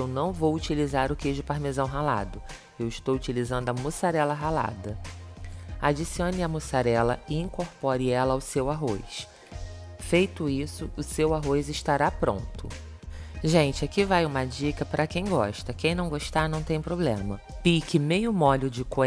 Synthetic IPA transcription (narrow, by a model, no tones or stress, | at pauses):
ewnɐ̃w̃vowut͡ʃilizaɾʊkeʒd͡ʒɪpaɾmezɐ̃w̃ɦala̰d̪ʊ | ewɪʃt̪owut͡ʃilizɐ̃nd̪ʊɐmusaɾɛlɐɦala̰d̪ɐ | ad͡ʒisiõnɪɐmusaɾɛlɐɪĩŋkoɾpɔɾɪɛlɐawsewaɦojs | fejt̪ʊisʊʊsewaɦojzɪʃt̪aɾapɾõ̰nt̪ʊ | ʒẽnt͡ʃɪakivajũmɐd͡ʒikɐpɾʔɐkẽj̃ɡɔ̰ʃt̪ɐkẽj̃nɐ̃w̃ɡoʃt̪anɐ̃w̃t̪ẽj̃pɾoblẽmɐ | pikɪmejʊmɔlʊd͡ʒɪko